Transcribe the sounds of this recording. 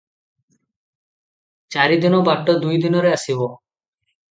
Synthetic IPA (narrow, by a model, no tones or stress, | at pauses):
t͡ʃaɾid̪inɔbaʈːod̪ujd̪inɔɾeasibo